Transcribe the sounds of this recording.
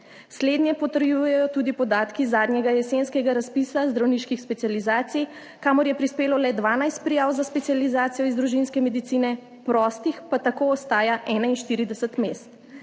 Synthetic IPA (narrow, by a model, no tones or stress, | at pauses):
sled̪nʲjɛpɔt̪əɾjujɛjɔt̪uːd̪ipɔd̪aːt̪kizaːd̪nʲɲjɛɡajɛsenskɛɡaɾaspiːsazd̪ɾawniːʃkixspɛt̪sijalizaːt̪sij | kaːmɔɾjɛpɾispeːlɔlɛd̪ʋaːnajst̪̚pɾijaːwzaspɛtsijalizaːt̪sijɔizd̪ɾuʒinskɛmɛd̪it̪iːnɛ | pɾɔːst̪ixpat̪akoɔst̪aːjaʔɛːnainʃt̪iːɾid̪ɛsət̪meːst̪